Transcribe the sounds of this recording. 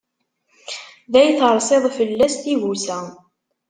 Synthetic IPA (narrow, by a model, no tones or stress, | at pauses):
ðæjθəɾˤsˤeðˤfəlːæsθiʝusæ